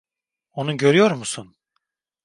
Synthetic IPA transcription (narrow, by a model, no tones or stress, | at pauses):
o̞nuɟø̞ɾyjo̞ɾmusun